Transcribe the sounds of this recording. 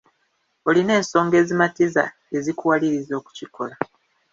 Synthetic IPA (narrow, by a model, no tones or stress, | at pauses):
oline̞ːnso̞ːŋɡe̞ːzimatiza̰ | e̞zikuwaliɾizo̞ːku̥ciko̞la